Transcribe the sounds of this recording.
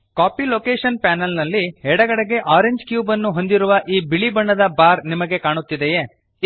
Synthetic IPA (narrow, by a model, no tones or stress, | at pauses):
kaːpiloːkeːʂɐnpæːnɐlnɐlːiɦɛɽɐɡɐɽeɡe̞ʔaːɾeɲd͡ʒkjuːbɐnːuɦo̞nd̪iɾuʋɐʔiːbiɭibɐɳːɐd̪ɐbaːɾnimɐɡe̞kaːɳut̪ːid̪eje